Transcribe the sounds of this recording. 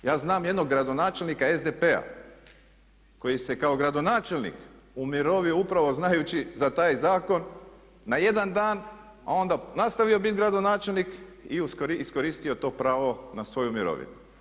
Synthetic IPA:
jaːznaːmje̞d̪no̞ɡːɾad̪o̞naːt͡ʃe̞lnikae̞zd̪epe̞a̰ | ko̞jise̞kao̞ɡɾad̪onaːt͡ʃelnḭk | umiɾo̞ʋioupɾaʋo̞znajut͡ɕizat̪aːjzaːko̞nː | aje̞d̪and̪aːn | a̰o̞nd̪anast̪aʋio̞bit̪ɡɾad̪o̞naːt͡ʃe̞lnikiuskoɾiisko̞ɾiːst̪io̞t̪o̞ːpɾaːʋo̞nasʋo̞jumiɾo̰ʋḭnu

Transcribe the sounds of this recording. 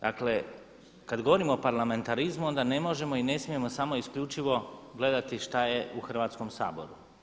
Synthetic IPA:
d̪akle̞ | kad̪ɡo̞ʋo̞ɾimoːpaɾlame̞nt̪aɾizmuo̞nd̪ane̞mo̞ʒe̞mo̞ine̞smije̞mo̞samo̞iskʎut͡ʃiʋo̞ɡle̞d̪at̪iʃt̪aje̞uxr̩ʋaːt̪sko̞msa̰ːbo̞̰ɾu

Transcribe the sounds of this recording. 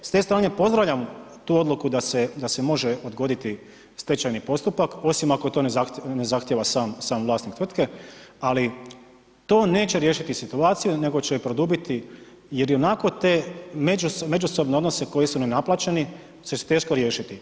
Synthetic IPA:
st̪e̞ːst̪ɾaːne̞po̞zd̪ɾaʋʎʲamt̪uːo̞d̪lˠukud̪ased̪ase̞mo̞ʒeo̞d̪ɡo̞d̪it̪i | st̪et͡ɕajnipo̞st̪upako̞simakot̪o̞ːnezanezaxt̪jeʋasaːmsaːmʋlˠaːst̪nik̚t̪ʋr̩t̪ke̞ali | t̪o̞ːne̞ːt͡ɕe̞ɾje̞ːʃit̪isit̪uaːt̪sijune̞ɡo̞t͡ɕejopɾo̞d̪ubit̪i | jeɾio̞nako̞t̪e̞ːmed͡ʒusme̞d͡ʒuso̞bneo̞d̪no̞se̞ko̞jisunenaplaːt͡ɕeni | set͡ʃt̪e̞ʃko̞ɾje̞ːʃit̪i

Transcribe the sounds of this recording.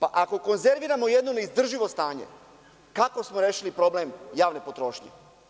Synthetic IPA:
paʔako̞ko̞nze̞ɾʋiɾamojed̪noneizd̪r̩ʒiʋo̞st̪aːɲḛ | kako̞smoɾeːʃilipɾo̞blemjaːʋne̞po̞t̪ɾo̞ːʃɲḛ

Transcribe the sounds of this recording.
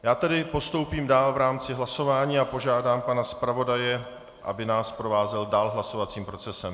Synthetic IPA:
jaːt̪ɛdɪpo̞st̪o̞wpiːmdaːlvɾaːmt͡sɪɦlaso̞vaːɲiːapo̞ʒaːdaːmpanaspɾavo̞dajɛ | ʔa̰bɪnaːspɾo̞vaːzɛldaːlɦlaso̞vat͡siːmpɾo̞t͡sɛsɛm

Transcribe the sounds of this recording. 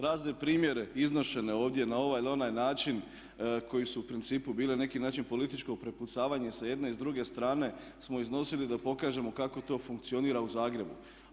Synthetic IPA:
ɾaːzd̪e̞pɾiːmje̞ɾe̞izno̞ʃe̞ne̞o̞ːʋd̪je̞nao̞ʋajlo̞najnaːt͡ʃin | kʰo̞jisuupɾint̪siːpubiːlenane̞kinaːt͡ʃinpo̞lit̪it͡ʃko̞pɾe̞put̪saːʋaɲesaje̞d̪ne̞izd̪ɾuɡe̞st̪ɾaːne̞ | smo̞izno̞silid̪apo̞kaːʒe̞mo̞kako̞t̪o̞ːfuŋkt̪sio̞niːɾauzaːɡɾe̞bṵ

